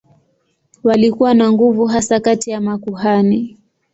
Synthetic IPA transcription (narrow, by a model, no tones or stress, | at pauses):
walikuwanaŋɡuvuɦasakatijamakuhani